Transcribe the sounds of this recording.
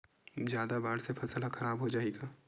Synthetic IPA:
zjaːd̪abaːɽsepʰɐsəlaxʰɐɾaːbɦod͡ʒaːeːɡaː

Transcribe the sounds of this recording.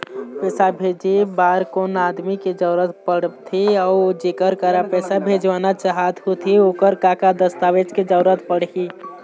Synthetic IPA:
pɛːsabʱed͡ʒibaːɾkonaːd̪miked͡ʒəʊɾət̪pəɽt̪ʰiɔːd͡ʒekəɾkəɾapɛːsabʱed͡ʒʋaːnat͡ʃəɦat̪ɦut̪ʰioːkəɾkakad̪əst̪aːʋet͡ʃked͡ʒəɾət̪pəɽ̤ki

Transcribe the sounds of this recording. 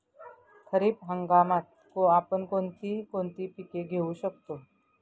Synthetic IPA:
kʰəɾiːpɦəŋɡamat̪̚ | koapəɳkont̪iːkoɳt̪iːpikeɡʱeuːɕəkt̪o

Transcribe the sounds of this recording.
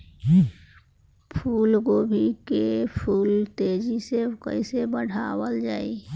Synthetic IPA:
pʰuːlkobʱikepʰuːlt̪eːd͡ʒisekə̰ɪsebəɽ̤ʱaːwəld͡ʒaːḭ

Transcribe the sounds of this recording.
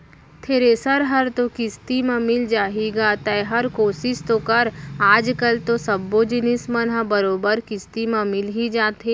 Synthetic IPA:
t̪ʰeːɾeːsəɾɦɐɾt̪okɪst̪imãmɪld͡ʒaːɦiɡat̪ɐeɦɐɾkoːsɪʃt̪okɐɾaːd͡ʒkəlt̪osɐbːod͡ʒɪnɪsmɐnɦabɐɾoːbəɾkɪst̪imãmɪlɦid͡ʒaːt̪e

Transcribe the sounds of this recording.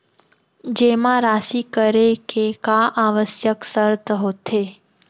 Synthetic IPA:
d͡ʒemãɾasikəɾekekaʔaʋəsjəksəɾt̪əɦot̪ʰe

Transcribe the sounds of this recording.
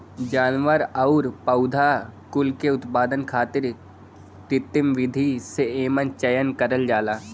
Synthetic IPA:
d͡ʒaːnʋəɾɐʊɾpɐʊd̪ʱakʊlkeʊt̪paːd̪ənkʰaːt̪ɪɾ | kɾɪt̪ːɪmʋɪd̪ʱiseeːmənt͡ʃɐjənkɐɾəld͡ʒaːlaː

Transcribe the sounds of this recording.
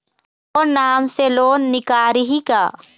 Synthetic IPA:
ɔːɾnaːmseloːnːɪkaːɾɦikaː

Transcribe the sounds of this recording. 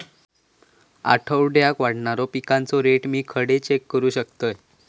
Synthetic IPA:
a̰ʈʰəwɖjakʋaɽɳaɾɔpikãnt͡sɔɾeʈmiːkʰəɽet͡ɕekːəɾuːɕəkt̪əj

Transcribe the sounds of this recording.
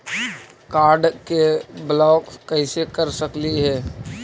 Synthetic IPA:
kaːɾɖkeblɔːkːəɪsekəɾsəkliɦɛː

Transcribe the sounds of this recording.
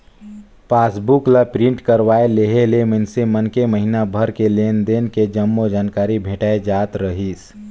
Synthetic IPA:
paːsbuklapɾɪ̃ɳʈkəɾwaːeleɦelemɪnsemənkeməɦinabʱəɾkeleːnd̪eːnked͡ʒɐmːod͡ʒaːnkaːɾibʱeːʈaːed͡ʒaːt̪ɾəɦiːs

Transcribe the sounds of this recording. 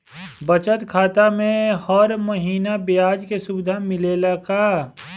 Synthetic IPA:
bət͡ʃət̪kʰaːt̪amẽhɔːɾməɦiːnabɪjaːd͡ʒkesʊbɪd̪ʱamɪleːlakaː

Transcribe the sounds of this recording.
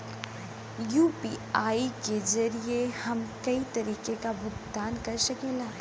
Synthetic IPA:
juːpiːaːikezɐɾiehɐmkɐit̪ɐɾiːkekabʱʊt̪d̪aːnkɐɾsɐkeːlaː

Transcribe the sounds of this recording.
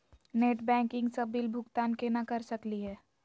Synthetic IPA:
neːʈbɛ̃ːŋkɪ̃ŋɡsɐbilbʱʊɡt̪aːnkenakɐɾsɐkliɦɛː

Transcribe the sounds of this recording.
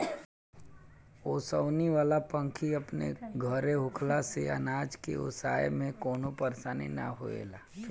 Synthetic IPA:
oːsəʊniʋaːlapə̃ŋkʰiɐpnḛɡʱəɾeɦʊkʰlaseɐ̰naːd͡ʒkḛʊ̰ːsaːḛmẽkoːnopɐɾsaːnḭnɐ̰ɦo̰ḛːlaː

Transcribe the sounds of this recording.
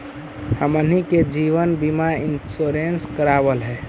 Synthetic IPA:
həməniked͡ʒiʋənbimainsuɾenskəɾabəlɦɛ

